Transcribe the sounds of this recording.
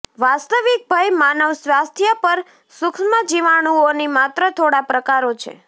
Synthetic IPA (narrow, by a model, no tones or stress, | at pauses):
ʋast̪əʋik̚bʱajmanəʋsʋast̪ʰjapəɾ | sʊksmad͡ʒiʋaɽ̃uonimat̪ɾət̪ʰoɽapɾəkaɾot͡ʃʰḛ